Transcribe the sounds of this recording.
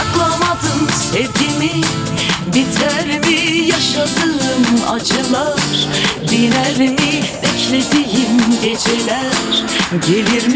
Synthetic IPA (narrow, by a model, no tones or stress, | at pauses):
klˠamad̪ɯmsɛvɟimi | bit̪ʰæɾimijaʃad̪ɯɯma̰t͡ʃʰɯlˠaɾ̥b̪inæɾimibɛclʲe̞d̪ijimɟet͡ʃʰelʲæɾ̥ɟe̞liɾm